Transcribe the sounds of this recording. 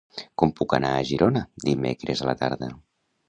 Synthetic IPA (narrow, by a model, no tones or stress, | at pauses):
kɔmpukənaːʒiɾonəd̪imḛkɾezələ̰t̪a̰ɾðə